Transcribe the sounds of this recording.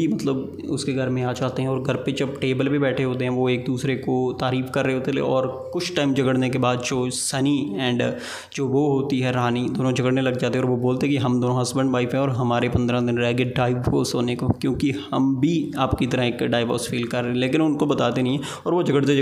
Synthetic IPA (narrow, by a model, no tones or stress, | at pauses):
imɐt̪ləb | ʊskeɡʱɐɾmẽaːt͡ʃaːt̪eɦɛ̃ɔːɾɡʱɐɾped͡ʒɐbʈeːbəlpebɛːʈʰeɦoːt̪eɦɛ̃ʋoeːk̚d̪uːsɾekot̪aːɾiːfkɐɾːəeɦoːt̪elḛɔːɾkʊt͡ʃʰʈaːɪmd͡ʒɐɡəɽnek̬ebaːd̪d͡ʒoːsɐniɛ̃ːɳɖ | d͡ʒoːʋoːɦoːt̪iɦɛɾaːnid̪oːnõd͡ʒɐɡəɽnelɐɡd͡ʒaːt̪eɛɔːɾʋoboːlt̪eɦɛ̃kiɦɐmd̪oːnõɦɐsbə̃ɳɖʋaːɪfɦɛ̃ɔːɾɦɐmaːɾepɐ̃nd̪ɾãd̪ɪnɾɛːɡɪɖaːɪbkosoːnekokjõːkihɐmbʱiaːpkit̪ɐɾəeːkɖaːɪʋɔ̰ːsfiːlkɐɾːẽɛ̃leːkɪnʊnkobɐt̪aːt̪enɐɦĩɦɛ̃ | ɔːɾʋod͡ʒɐɡəɽt̪̬e